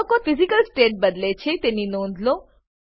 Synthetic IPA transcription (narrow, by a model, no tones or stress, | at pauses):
okofɪzikəlsʈeːʈ̚bəd̪let͡ʃʰet̪eninõːnd̪ʱlõ